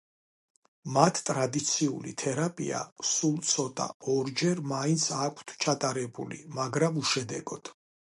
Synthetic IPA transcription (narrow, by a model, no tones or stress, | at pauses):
mat̪ʰt̪ʼɾad̪it̪sʰiṵlḭt̪ʰɛɾapʼḭa̰sulˠt̪sʰɔt̪ʼa̰ɔɾd͡ʒɛɾmaint̪sʰakʷʰt̪ʰt͡ʃʰat̪ʼaɾɛbṵlḭmaɡɾamuʃɛd̪ɛɡɔd̪̥